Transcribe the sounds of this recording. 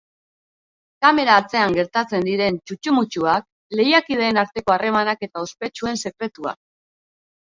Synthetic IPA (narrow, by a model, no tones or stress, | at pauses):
kame̞ɾaːt͡se̞aŋɡe̞ɾt̪at͡se̞nd̪iɾe̞nt͡ʃut͡ʃumut͡ʃuak̚ | le̞jakið̞e̞ːnaɾt̪e̞ko̞are̞manake̞t̪ao̞spe̞t͡ʃue̞nse̞kɾe̞t̪ua̰k̚